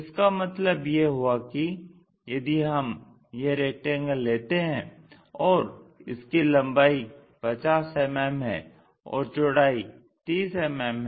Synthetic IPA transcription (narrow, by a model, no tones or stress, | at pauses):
ɪskamɐt̪ləbjeɦuaki | jɐd̪iɦɐm | jeɾeːk̚ʈɪ̃ŋɡleːt̪eɦɛ̃ | ɔːɾɪ̰skilɐ̃mbaːi | pɐt͡ʃaːsɛmɛːmɦɛ̰̃ | ɔ̰ːɾt͡ʃʊɽaːi | t̪iːsɛmɛːmɦ